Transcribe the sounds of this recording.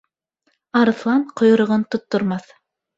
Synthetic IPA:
ɑɾɤ̆θlˠɑɴqŏjŏɾɤ̆ʁɤnt̪ŏt̪ːŏɾmɑθ

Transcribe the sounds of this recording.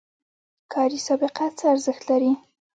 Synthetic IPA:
kʰɑɾisɑbɪqat͡səaɾzəxt̪laɾi

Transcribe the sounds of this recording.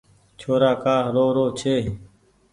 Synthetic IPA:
t͡ʃʰoːɾaːkaːɾoːɾoːt͡ʃʰeː

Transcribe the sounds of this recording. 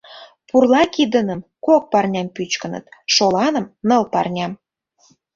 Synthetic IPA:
purlɑkid̪ənəmkok̚pɑrnʲɑmpyt͡ɕkənə̰t̪ʃolɑnə̆mnə̆lpɑ̰rnʲɑm

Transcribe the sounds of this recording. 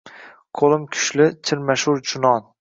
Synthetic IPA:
qʰolˠɪmkʲʰʊ̥ʃlɪt͡ʃʰɪɾmaʃʊɾd͡ʒʊnɒn

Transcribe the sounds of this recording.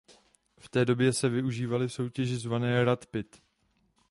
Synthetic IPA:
ft̪ɛːdo̞bjɛsɛvɪuʒiːvalɪfso̞wcɛʒɪzvanɛːɾat̪pɪt̪

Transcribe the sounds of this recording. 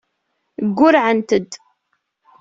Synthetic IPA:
ɡʷːʊɾʕənt̪əd̪

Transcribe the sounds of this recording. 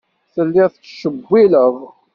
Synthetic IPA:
θəlːɪθət͡sːʃəbːiləʁ

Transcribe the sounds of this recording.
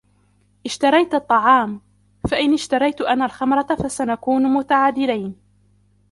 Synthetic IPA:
ʔɪʃt̪ɑɾˤɑjt̪ɑt̪ˤːɑʕɑːm | faʔɪnɪʃt̪ɑɾˤɑjt̪ʔanːaːlxɑmɾˤɑfasanakuːnmʊt̪aʕaːd̪ɪlajn

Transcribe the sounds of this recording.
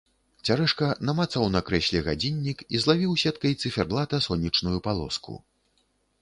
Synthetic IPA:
t͡sʲaɾɛʂkɐnɐmat̪sɐwnɐkɾɛsʲlʲiɣad͡zʲinʲːikizlˠavʲiwsʲɛt̪kɐjt̪sɨfʲɛrblˠat̪ɐsɔnʲːit͡ʂnujupalˠɔ̰skṵ

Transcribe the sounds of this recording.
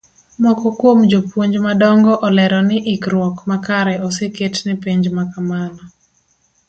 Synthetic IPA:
mɔkɔkwomd͡ʒopwoɲd͡ʒmadɔŋɡɔʔɔlɛɾɔnɪʔɪkɾwɔkmakaɾɛɔseketnɪpiɲd͡ʒmakamanɔ

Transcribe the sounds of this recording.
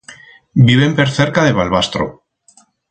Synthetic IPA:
biβ̞e̞mpe̞ɾθe̞ɾkaðe̞βalβast̪ɾo̰

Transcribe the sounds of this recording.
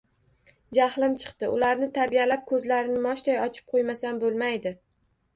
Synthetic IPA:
d͡ʒahlˠɪmt͡ʃʰɨ̥qt̪ɪʔʊlaɾnɪt̪ʰaɾbijalap̚kʰɵzlaɾɪnɪmɒʃt̪ʰɒjɒt͡ʃʰɪ̥p̚qʰojmasanbolˠmajd̪ɪ

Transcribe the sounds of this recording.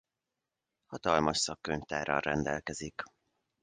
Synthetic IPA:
hɒt̪ɒlmɒʃsɒkːøɲft̪aːɾɒ̰rrɛnd̪ɛlkɛzik

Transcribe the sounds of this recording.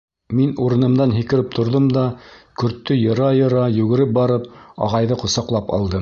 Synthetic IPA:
minuɾɤ̆nɤ̆md̪ɑnɦikɘ̆ɾɘp̚t̪ʰŏɾðɤmd̪ɑkɵ̆ɾt̪ːɵjɤ̆ɾɑjɤ̆ɾɑjʉɡɘ̆ɾɘp̚bɑɾɤpɑ̰ʁɑjðɤqŏsɑqlˠɑpɑ̰lˠd̪ɤ

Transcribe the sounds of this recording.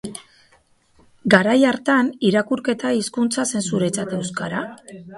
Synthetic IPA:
ɡaɾajaɾt̪aniɾakuɾke̞t̪aiskunt͡sase̞nsuɾe̞t͡sat̪e̞wskaɾa

